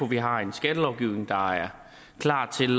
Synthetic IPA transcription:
oʋiɦɑ̈e̝nsɡ̥æd̥əlɒʊɡ̥iʊne̝ŋd̥ɑ̈æɐ | kʰlɑ̰̥̈ːt͡sʰe̝l

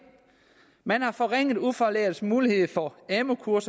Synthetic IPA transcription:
mænhɑ̈fɒ̽ʁeŋ̰ð̩ˠufɒleːsmuːlihe̝ð̩ˠfɒɛmo̝kʰuɐs

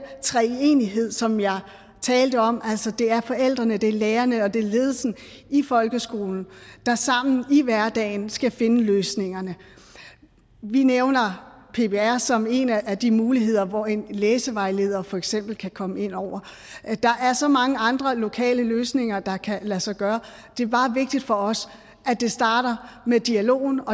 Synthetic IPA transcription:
t͡sʰʁɛe̝ːniɦe̝ð̞̰ˠsɒ̽mjɑ̈ɪ | t͡sʰɛːld̥əɒ̽mæl̰sɒd̥e̝æɐfɒ̽el̰d̥ʁɐnəd̥e̝leːɐnəɒ̽d̥e̝le̝ːð̞ˠsn̩ | ifɒ̽lɡ̥əsɡ̥o̝̰ːln̩d̥ɑ̈sɑ̈m̰n̩iʋæɐd̥ɛ̰ːɪnsɡ̥æfe̝nəløːsne̝ŋɐnə | ʋineʊnɐ | pʰe̝bʰe̝æɐsɒ̽me̝næʔæd̥imuːliɦe̝ð̞̰ˠɐʋɒe̝nleːsəʋɑ̈ɪle̝ːð̞̰ˠɐfɒ̽eɡ̥sem̰b̥l̩kʰækʰɒ̽məe̝n̰ɒʊ̰ɐ | d̥ɑ̈ʔæɐsɒ̽mɑ̈ŋəɑ̈nd̥ʁɐlo̝kʰɛ̰ːləløːsne̝ŋɐd̥ɑ̈kʰælæsɑ̈ɪɡ̥ɶːɐ | d̥e̝æɐb̥ɑ̈ːʋe̝ɡ̥̚d̥id̥fɒ̽ɒ̽s | ʔæd̥e̝sd̥ɑ̈ːɾ̥ɐmed̥iælo̝̰ːn̩ɒ̽

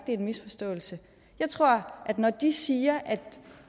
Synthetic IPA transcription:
d̥eenmisfɒ̽sd̥ɔ̰̽ːl̩sə | jɑ̈ɪt͡sʰʁo̝ɐ̰ʔæd̥nɒd̥isiːɐʔæd̥

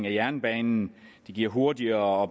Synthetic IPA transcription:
ŋæjæɐnb̥ɛːnn̩d̥e̝ɡ̥iɐ̰ɦo̝ɐdiɐɒ̥̽

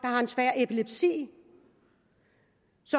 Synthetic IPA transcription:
d̥ɑ̈hɑ̈ensʋæɐ̰ʔe̝pʰileb̥sḭː | sɒ̽

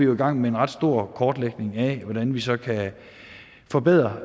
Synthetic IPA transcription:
ijo̝iɡ̥ɑ̈ŋ̰mee̝nʁɑ̈d̥sd̥o̝ɐ̰kʰɒːd̥leɡ̥ne̝ŋæʋɒd̥ænʋisɒ̽kʰæ | fɒ̽b̥eð̰ˠʁɐ

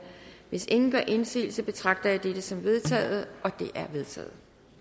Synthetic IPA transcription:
ʋe̝se̝ŋn̩ɡ̥ɶɐʔe̝nsḭːl̩səb̥e̝t͡sʰʁɑ̈ɡ̥̚d̥ɐjɑ̈ɪd̥ed̥əsɒ̽mʋe̝ð̞ˠt͡sʰɛ̰ːð̞̩ˠʔɒ̽d̥e̝ʔæɐʋe̝ð̞ˠt͡sʰɛ̰ːð̩ˠ

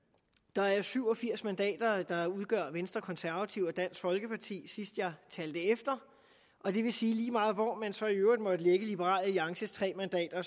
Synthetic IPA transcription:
d̥ɑ̈æɐsyʊ̰ɒ̽fiɐ̰smænd̥ɛ̰ːd̥ɐd̥ɑ̈uð̞ˠɡ̥ɶɐ̰ʋensd̥ʁɐkʰɒ̽nsæɐʋæt͡sʰiʊɒd̥æn̰sɡ̥fɒ̽lɡ̥əpʰɑ̈t͡sʰḭːsisd̥jɑ̈t͡sʰɛːld̥əefd̥ɐ | ʔɒ̽d̥e̝ʋe̝siːliːmɑ̈ːð̩ˠʋɒmænsɒ̽iøʊʁid̥ˠmɒ̽d̥əleɡ̥əlib̥əʁɑ̰̈ːləliɑ̈ŋɕəst͡sʰʁɛ̰ːmænd̥ɛ̰ːd̥ɐ

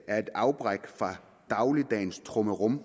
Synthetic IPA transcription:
æɐe̝d̥ɑ̈ʊb̥ʁɛɡ̥fʁɑ̈ | d̥ɑ̈ʊlid̥ɛ̰ːnst͡sʰʁɔməʁɔm

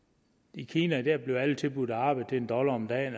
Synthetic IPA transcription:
ikʰiːnæd̥æɐ̰b̥le̝ʊælət͡sʰe̝lb̥ud̥ˠæɑ̈ːb̥ɑ̈ɪt͡sʰeend̥ɒ̽lɐɒmd̥ɛ̰ːn

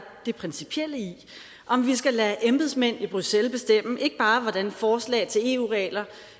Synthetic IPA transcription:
d̥e̝pʰʁɛnsipʰiel̰əi | ʔɒ̽mʋisɡ̥ælæːʔemb̥ðˠsmen̰ib̥ʁyselb̥e̝sd̥em̰əʔe̝ɡ̥əb̥ɑ̈ːʋɒ̽d̥ænfɒːslɛ̰ːɪt͡sʰe̝le̝ːuːʁɛːlɐ

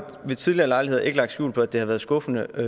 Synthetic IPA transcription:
ʋe̝t͡sʰiðˠliɐlɑ̈ɪlie̝ðˠɐʔe̝ɡ̥əlɑ̈ɡ̥̚sjṵːlpʰɒ̽æd̥e̝hæʋæːɐð̞ˠsɡ̥ɔ̽fənə

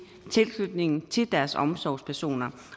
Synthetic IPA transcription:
t͡sʰe̝lslud̥ne̝ŋn̩t͡sʰe̝ld̥æɐsɒ̽msɒʊ̰spʰæɐso̝̰ːnɐ

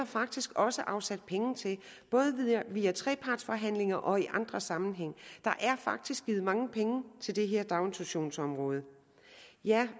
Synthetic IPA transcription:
ɑfɑ̈ɡ̥̚d̥isɡ̥ɒ̽səʔɑ̈ʊsæd̥̚pʰeŋn̩t͡sʰe̝lb̥ɔ̽ːð̞ˠəʋiːæt͡sʰʁɛ̰ːpʰɑ̈ːd̥sfɒ̽ɦæn̰le̝ŋɐʔɒ̽iʔɑ̈nd̥ʁɐsɑ̈mn̩ɦeŋ̰d̥ɑ̈ʔæɐfɑ̈ɡ̥̚d̥isɡ̥iːð̞̩ˠmɑ̈ŋəpʰeŋət͡sʰe̝ld̥e̝ɦeɐ̰d̥ɑ̈ʊnt͡sʰuɕo̝̰ːnsɒ̽mʁɔ̽ːð̞ˠə | jæ

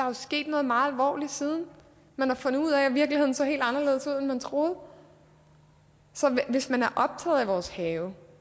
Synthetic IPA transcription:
d̥ɑ̈jo̝sɡ̥e̝̰ːd̥nɔ̽ːð̞̩ˠmɑ̈ːð̩ˠælʋɒ̰ːlid̥siːð̞ˠn̩ | mænɑ̈fɔ̽n̰ðˠuð̰ˠæʋiɐɡ̥lihe̝ð̞̰ˠn̩sɒ̽ɦe̝̰ːld̥ɑ̈nɐle̝ːð̞ˠsuð̞̰ˠenmænt͡sʰʁo̝ːð̩ˠ | sɒ̽ʋe̝smænæɐʔɒ̽b̥̚t͡sʰɛ̰ːð̞̩ˠæʋɒːshɛːʊ

